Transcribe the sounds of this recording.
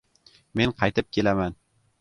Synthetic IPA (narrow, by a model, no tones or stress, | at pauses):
menqʰɑjt̪ɪp̚kʲʰelaman